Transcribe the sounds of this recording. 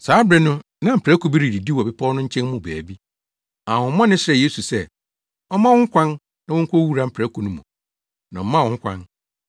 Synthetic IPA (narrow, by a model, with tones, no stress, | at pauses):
saː˨˦bɾɛ˨nʊ̃˦ | nã˨m̩˨pʰɾæ˦ku˨bi˦ɾi˨ɾi˨di˦wɔ˨bɪ˦pʰa˦ɔ˦nʊ̃˦ɲ̩˦t͡ɕʰɛ̃˦mmʊ̃˦˨bæ̰ː˨bi˦ | ã˨hʊ̃˨˦mɔ̃˦nɪ̃˦sɪ˦ɾɛ˨je˦su˨sɛ˦ | ɔ˦mã˦wʊ̃˦ŋ̩˦kʷʰã˦n | nã˨wʊ̃˦ŋ̩˦kʰʷo˦wu˦ɾa˨m̩˦pʰɾæ˦kʰu˨nʊ̃˦mũ˨ | nã˨ɔ˦mã˦˨ʊ̃˦ŋ̩˦kʷã̰˦n